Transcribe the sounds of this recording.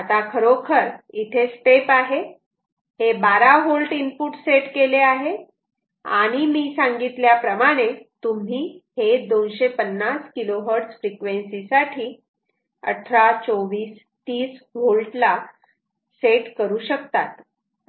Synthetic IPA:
at̪akʰəɾokʰəɾit̪ʰesʈepaɦe | hebaɾaɦolʈinpuːʈseʈkeleaɦe | a̰ɽ̃imiːsãŋɡit̪ljapɾəmaɽ̃et̪um̤iːhed̪onɕepənːaskiloɦəɾʈsfɾikʋẽnsisaʈʰiː | ə̰ʈʰɾat͡soʋiːs | t̪iːsɦolʈla | seʈkəɾuːɕəkt̪at̪

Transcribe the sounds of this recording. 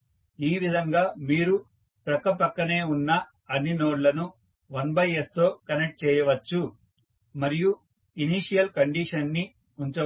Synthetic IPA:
iːʋid̪ʱɐŋɡaːmiːɾu | pɾɐkɐpɐkːɐne̞ːunːɐ | ɐnːinoːɖlɐnu | ʋɐnbɐjest̪o̞ːkɐnek̚ʈ̚t͡ʃɛːjɐʋɐt͡ʃːu | mɐɾiju | iniʂijɐlkɐɳɖiːʂɐnːi | uɲt͡ʃɐ

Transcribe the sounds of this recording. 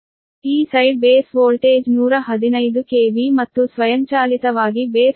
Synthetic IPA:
iːsɐjɖ̚beːsʋoːlʈeːd͡ʒnuːɾɐɦɐd̪inɐjd̪ukeːʋimɐt̪ːusʋɐjɐmt͡ʃaːlit̪ɐʋaːɡibeːs

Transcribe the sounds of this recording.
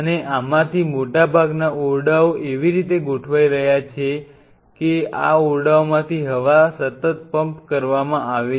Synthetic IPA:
əneʔamãt̪ʰimoʈabʱaɡnaʔoɾɖaoʔeʋiɾit̪eɡoʈʰʋaiɾəɦjat͡ʃʰe | kea̰oɾɖaomãt̪ʰiɦəʋasət̪ət̪̚pəmpkəɾʋamãaʋe

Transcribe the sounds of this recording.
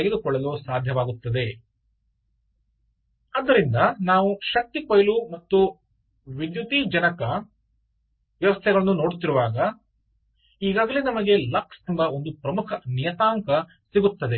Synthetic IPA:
eɡed̪ukɔɭːɐlusaːd̪ʱjɐʋaːɡut̪ːɐd̪e̞ | ɐd̪ːɐɾind̪ɐnaːʋuʃɐk̚t̪ikojɐlumɐt̪ːu | ʋid̪jut̪id͡ʒɐnɐkɐ | ʋjɐʋɐst̪ʰɛɡɐɭɐnːuno̞ːɽt̪iɾuʋaːɡɐ | iːɡaːɡɐlenɐmɐɡe̞lɐkst̪ɐmbɐo̞nd̪upɾɐmukʰɐnijɐt̪aːŋkɐ | siɡut̪ːɐd̪e

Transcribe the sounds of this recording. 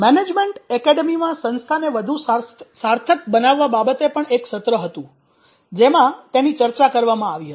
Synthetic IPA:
mɛned͡ʒmeɳʈɛkɛɖemimãsə̃nst̪ʰaneʋəd̪ʱussaɾt̪ʰək̚bənaʋːababət̪epəɳekʃət̪ɾəɦət̪ũ | d͡ʒemãt̪enit͡ʃəɾt͡ʃakəɾʋamãaʋiɦət̪

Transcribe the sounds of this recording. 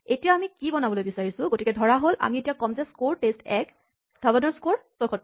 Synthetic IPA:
etijaamikibɔnabɔlojbisaɹisʊ̃ɡotikɛdʱɔɹaɦolʔa̰mietijakɔmzɛskoɹʈestɛk | d̥ɔbɔnɔɹskoɹsɔkʰɔt̚

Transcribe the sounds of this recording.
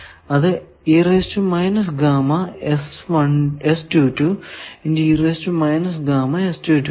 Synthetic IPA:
ɐðɨ | iresʈumɐjnɐsɡaːmɐesmɐɳesʈuːʈːuind̪iireːsʈumɐjnɐsɡaːmɐesʈuːʈːu

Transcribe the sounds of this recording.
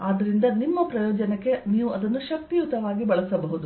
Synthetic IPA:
aːd̪ːɐɾind̪ɐnimːɐpɾɐjɔːd͡ʒɐnɐkːe̞niːʋuɐd̪ɐnːuʃɐk̚t̪iut̪ːɐʋaːɡibɐɭɐsɐbɐɦud̪u

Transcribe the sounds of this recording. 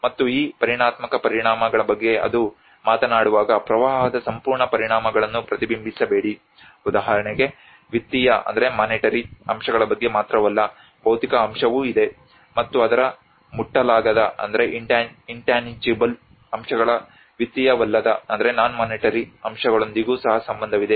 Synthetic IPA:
mɐt̪ːuiːpɐɾiɳaːt̪mɐkɐpɐɾiɳaːmɐɡɐɭɐbɐɡːe̞ɐ̰d̪u | maːt̪ɐnaːɽuʋaːɡɐpɾɐʋaːɦɐd̪ɐsɐmpuːɾɳɐpɐɾiɳaːmɐɡɐɭɐnːupɾɐt̪ibimbʱisɐbe̞ːɽi | ud̪aːɦɐɾɐɳeɡe̞ | ʋit̪ːijɐʔɐ̰nd̪ɐɾe̞maːniʈɐɾiɐ̰mʂɐɡɐɭɐbɐɡːe̞maːt̪ɾɐʋɐlːɐ | b̥ɐwt̪ikɐːmʂɐʋuːid̪e̞ | mɐt̪ːuɐd̪ɐɾɐ | muʈːɐlaːɡɐd̪ɐɐ̰nd̪ɐɾe̞ʔiɳʈaiɳʈaːnid͡ʒibɐl | ɐmʂɐɡɐɭɐ | ʋit̪ːijɐʋɐlːɐd̪ɐɐnd̪ɐɾe̞naːnumɐːniʈɐɾiɐmʂɐɡɐɭond̪iɡuːsɐɦɐsɐmbɐnd̪ʱɐʋid̪e̞

